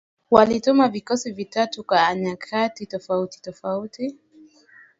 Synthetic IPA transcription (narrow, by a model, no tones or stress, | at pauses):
walitumavikɔsivitatukwaːɲakʰatitɔfauti̥tɔfauti